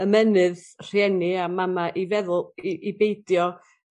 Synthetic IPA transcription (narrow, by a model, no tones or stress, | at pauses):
əmɛnɨð | r̥jɛniamamaʔivɛðʊlˠiʔibejdjɔ